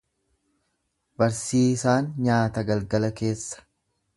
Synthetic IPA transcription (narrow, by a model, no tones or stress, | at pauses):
bɐɾsiːsaːnɲaːt̪ɐɡɐlɡɐlɐke̞ːsːɐ̥